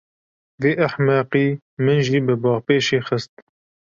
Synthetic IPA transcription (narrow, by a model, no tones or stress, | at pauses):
veːʔaħmɑːqiː | mɨnʒiːbɨbɑːʁpeːʃeːxəst̪